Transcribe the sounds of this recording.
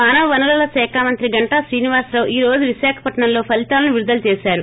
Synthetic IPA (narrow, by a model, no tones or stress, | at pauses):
aːnɐʋɐʋɐnulɐlɐsɛːkʰaːmɐnt̪ɾiɡɐɳʈɐsɾiːniʋaːɾsɾɐʋiːɾo̞ːd͡ʒuʋiʃaːkʰɐ̥pɐʈɐɳɐmlo̞ːpʰɐlit̪aːlɐnuʋiɾud̪ɐlt͡ʃeːsaːɾu